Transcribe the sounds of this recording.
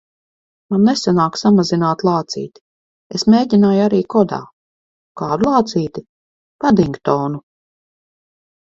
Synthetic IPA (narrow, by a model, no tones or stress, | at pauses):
manːesanaːksamazinaːt̪lˠɑːt̪sḭːt̪i̥ | esmeːɟʲinaːjaɾiːkɔd̪a̰ː | kaːɾlˠɑːt̪siːt̪i | pad̪iŋkt̪ɔːnu